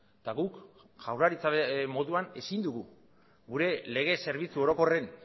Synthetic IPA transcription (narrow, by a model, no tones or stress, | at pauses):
t̪aɣuk | ʝ̥awraɾit͡samo̞ðuane̞sind̪uɣu | ɡuɾe̞le̞ɣ̞e̞se̞ɾβ̞it͡suo̞ɾo̞ko̞re̞n